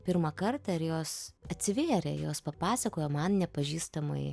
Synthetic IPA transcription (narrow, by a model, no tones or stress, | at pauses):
pʲɪɾmɐkɐrt̪ɑɪɾjoːsɐt̪ʲsʲɪʋʲeːɾʲɛ̰joːspɐpɑːsɐkoːjɛːmɐnnʲɛpɐʒʲiːst̪ɐmɐ̰ɪ